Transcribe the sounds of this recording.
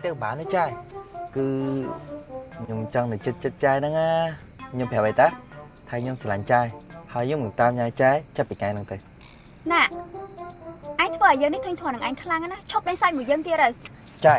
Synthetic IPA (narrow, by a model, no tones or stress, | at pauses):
jt̪əwɓaːnːɨt͡ɕaɛkɨː | ɲomt͡ɕɑŋnɨt͡ɕɨt̪̚t͡ɕɨt̪̚t͡ɕaɛnɨŋaː | ɲompʰɛəwɓəjt̪aː | t̪ʰaːɲomsalaɲt͡ɕaɛhaəjɲŏmɨŋt̪aːmɲaːjt͡ɕaɛt͡ɕap̪̚piːkaɛnɨŋt̪ɨw | naːʔ | ʔaɛɲt̪ʰʋəːʔɑɔjəːŋniht̪ʰɨɲt̪ʰɔnɨŋʔaɛŋkʰlaŋnaːt͡ɕʰop̚ɓaŋsaːjmuəjəːŋt̪iərɨwt͡ɕa